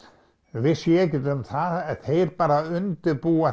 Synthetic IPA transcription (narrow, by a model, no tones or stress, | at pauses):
vɪsjɛcɪt̪ʏmθaðɛθejɾpaːɾaʏnt̪ɪɾpuːa